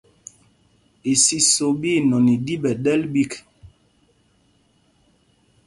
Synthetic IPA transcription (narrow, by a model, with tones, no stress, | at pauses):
e˨si˦so˨bi˦˨nɔ˨ni˨di˦ɓɛ˨ɗɛ˦lbi˦˨k